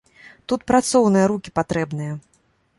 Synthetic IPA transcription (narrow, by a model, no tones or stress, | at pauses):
t̪ut̪pɾat̪sɔwnɨjɐɾukʲipat̪ɾɛbnɨjɐ